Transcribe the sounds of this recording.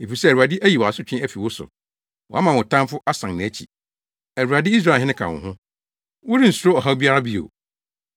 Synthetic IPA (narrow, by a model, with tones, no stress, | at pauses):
e˨fi˨sɛ˦˨ɾu˨a˨dɪ˦ʔæ˦ji˨wɔ˨a˨sʊ˦t͡ɕᶣɪ̃˦æ˦fi˨wʊ˦sʊ̰˨ | wɔ̰˨a˦mã˨wʊ̃˨tʰã˦m˦fʊ˦ʔa˦sã˨ŋnɪ̃˨æ˦t͡ɕʰḭ˨ | æ˨ɾu˨ɾa˨dɪ˦i˦s̬ɾa˦˨ɦɪ̃˦ɪ̃˦kʰa̰˨wɔ̰̃˨ɦʊ̃˦ | wʊ˦ɾi˦n̩˨su˦ɾo˦ɔ˨ɦa˦bi˦a˦ɾa˦bi˦o̰˨